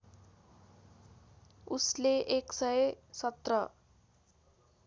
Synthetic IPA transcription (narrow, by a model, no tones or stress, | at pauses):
usleʔeksʌjsʌt̪rʌ